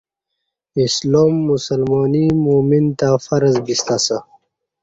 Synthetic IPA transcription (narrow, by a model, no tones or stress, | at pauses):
isloːmːusəlmɔːnimumint̪afɐɾzbist̪asə